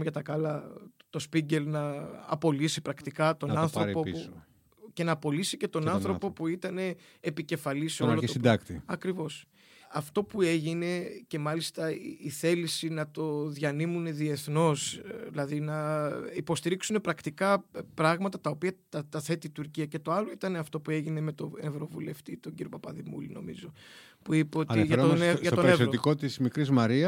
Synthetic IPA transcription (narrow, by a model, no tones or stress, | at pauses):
mʝɐt̪ɐkɐlɐt̪o̞spiɲɟe̞lnɐ̰ːpo̞lisipɾɐkt̪ikɐt̪o̞nɐnθɾopo | ce̞nɐːpo̞lisice̞t̪o̞nɐnθɾo̞po̞puit̪ɐne̞ː | pice̞fɐlisoɐlosod̪ɐkt̪iɐkɾivo̞s | ɐft̪o̞pue̞ʝine̞ce̞mɐlist̪ɐiθe̞lisinɐt̪o̞ðʝɐnimune̞ðie̞θno̞silɐðinɐipo̞st̪iɾiksune̞pɾɐkt̪ikɐpɾɐɣmɐt̪ɐt̪ɐo̞piɐt̪ɐt̪ɐθe̞t̪iːt̪uɾciɐce̞t̪o̞ɐloit̪ɐneɐft̪o̞pue̞ʝine̞me̞t̪o̞nevɾo̞vule̞ft̪it̪oɟiɾiopɐpɐðimṵlino̞̰mḭzo̞ | puipeo̞t̪iʝɐʝɐt̪oevsot̪ikot̪izmikɾizmɐɾiɐ